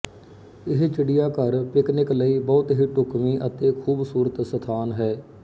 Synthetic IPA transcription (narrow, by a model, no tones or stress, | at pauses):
ɪɦt͡ʃəɖijaːkəɾpɪknɪkləiːbɔːt̪ɦiːʈʊkmiːʔət̪eːkʰuːbsuːɾət̪sət̪ʰaːnɦɛː